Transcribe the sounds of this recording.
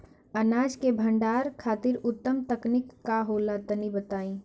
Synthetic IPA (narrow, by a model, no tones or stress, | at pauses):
ənaːd͡ʒkebʱəɳɖaːɾkʰaːt̪ɪɾʊt̪ːəmt̪əknikːaɦolat̪ənibət̪aːĩ